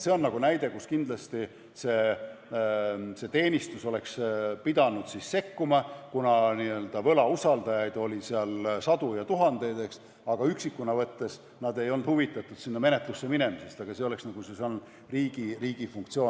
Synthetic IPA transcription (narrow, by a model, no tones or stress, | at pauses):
se̞o̞nːɑɡ̥unæjd̪e̞kuskind̪lɑst̪i | se̞ː | se̞t̪e̞ːnʲist̪uso̞le̞kspid̪ɑnud̪̥sisse̞kːumɑkunɑniø̞ld̪̥ɑvɤ̞lɑusɑld̪ɑjɑjd̪̥o̞lʲiseɑlsɑd̪̥ujɑt̪uɦɑnd̪̥e̞jd̪e̞ks | ɑɡ̥ɑyksikːunɑvɤt̪ːe̞s | nɑd̪e̞jo̞lnd̪̥huvit̪ːˑɑt̪ːˑud̪̥sinːɑme̞ne̞t̪lusːe̞mine̞mise̞st̪ɑɡ̥ɑse̞o̞leksnɑɡ̥useson | riːɡiriːɡ̥ifuŋkt̪sio